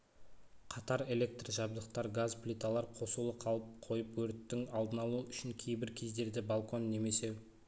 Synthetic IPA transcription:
qʰɑt̪ɑɾe̞le̞k̚t̪rʒɑbd̪əqt̪ɑɾɡazplʲit̪alˠɑɾqʰo̞sulˠəqʰɑlˠəp̚qʰo̞jəpwɵɾt̪ːɪŋɑlˠd̪ənɑlˠuʏʃɪŋkʲʰe̞jbɪɾkʲʰe̞zd̪e̞ɾd̪ɪbalˠkʰo̞nːe̞me̞se̞

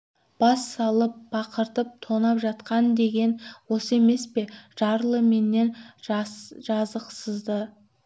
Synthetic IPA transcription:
b̥ɑsːɑlˠəp̚bɑqəɾt̪əp̚t̪ʰo̞nɑpʒɑt̪qɑnd̪e̞ɡʲe̞nwo̞səe̞me̞spe̞ʒ̥ɑɾlˠəme̞nːe̞n | ʒɑzəqsəzd̪ə

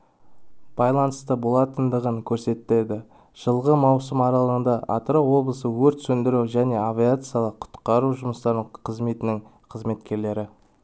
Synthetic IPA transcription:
b̥ɑjlˠɑnəst̪əbo̞lˠɑt̪ənd̪əʁəŋkʲʰɵɾse̞t̪ɪle̞d̪ɪ | ʒ̥əlˠʁəmɑwsəmɑɾɑlˠəʁənd̪ɑʔɑ̰t̪ɾowo̞blˠəsəwɵɾt̪sɵnd̪ɪɾuwʒæne̞avʲiat̪sɨjalˠəqqʰʊ̥t̪qɑɾuʒʊməst̪ɑɾəqʰəzme̞t̪ɪnɪŋ | qʰəzme̞t̪kʲe̞ɾle̞ɾɪ

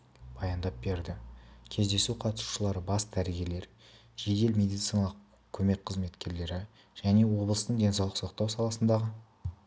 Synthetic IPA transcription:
b̥ɑjɑnd̪ɑp̚be̞ɾd̪ɪkʲʰe̞zd̪e̞suqʰɑt̪əsu̥ʃəlˠɑɾəbɑsd̪æɾɡʲe̞le̞ɾ | ʒ̥e̞d̪e̞lmʲe̞d̪ijt̪sijnɑlˠəq | kʲʰɵme̞k̚qʰəzme̞t̪kʲe̞ɾle̞ɾɪ | ʒ̥æne̞wo̞blˠəst̪əɴd̪e̞nsɑwlˠəqsoqt̪ɑwsɑlˠɑsənd̪ɑʁə

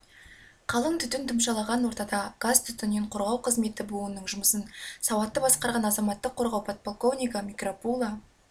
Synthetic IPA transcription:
qʰɑlˠəɴt̪ʰʏt̪ɪnt̪ʰʊmʃɑlˠɑʁɑnwo̞ɾt̪ɑd̪ɑɡ̥azt̪ʰʏt̪ɪnːeɴqʰoɾʁɑwqʰəzme̞t̪ɪbuənːəɴʒʊməsənsɑwɑt̪ːəbɑsqɑɾʁɑnɑzɑmɑt̪ːəqʰːo̞ɾʁɑwpʰot̪̚pʰolˠko̞vnʲijkamʲikropulˠɑ

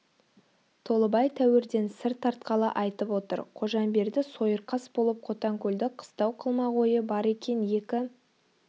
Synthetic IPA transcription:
t̪ʰo̞lˠəbɑjt̪ʰæwɪɾd̪e̞nsɪɾt̪ʰːɑɾt̪qɑlˠəʔɑjt̪əpwo̞t̪ə̰ɾqʰo̞ʒɑnbe̞ɾd̪ɪso̞jəɾqʰɑsbo̞lˠəp̚qʰo̞t̪ɑŋkʲʰɵld̪ɪqʰə̥st̪ɑwqʰəlˠmɑʁo̞jəbɑɾe̞kʲe̞nje̞kʲɪ

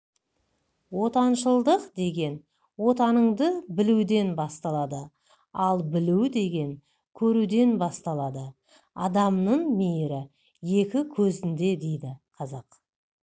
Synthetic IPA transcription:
wo̞t̪ɑnʃəlˠd̪əqd̪e̞ɡʲe̞n | wo̞t̪ɑnəɴd̪əbɪlud̪e̞nbɑst̪ɑlˠɑd̪ə | ɑlˠbɪluwd̪e̞ɡʲe̞ŋ | kʲʰɵɾud̪e̞nbɑst̪ɑlˠɑd̪ə | ɑd̪ɑmnəɴmejɾɪ | je̞kʲɪkʲʰɵzɪnd̪e̞d̪e̞jd̪ɪqʰɑzɑq

